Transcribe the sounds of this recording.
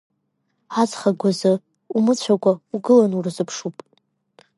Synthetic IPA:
azχaɡʷazɨ | umɨt͡ɕʷʰakʷʰʼauɡɨlanurɨzɨpʰʂupʼ

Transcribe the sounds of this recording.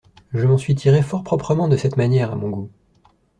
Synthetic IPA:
ʒəmɑ̃sɥit̪ʰiʁefɔʁpχɔpχəmɑ̃d̪əsɛt̪manjɛʁa̰mɔ̃ɡu

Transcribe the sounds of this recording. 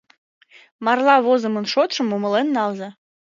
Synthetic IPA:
mɑrlɑβozə̆mənʃot̪ʃə̆muməlenːɑlzɑ

